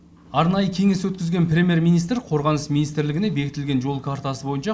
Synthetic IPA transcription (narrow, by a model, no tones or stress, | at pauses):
ɑɾnɑjəkʲʰe̞ŋe̞swɵt̪̚kʲɪzɡʲe̞nprʲe̞mʲje̞ɾmijnijst̪ɾqʰo̞ɾʁɑnəsminijst̪ɾlɪɡɪnebe̞kʲɪt̪ɪlɡʲe̞nʒo̞lˠkʰaɾt̪ɑsəbo̞jənʃɑ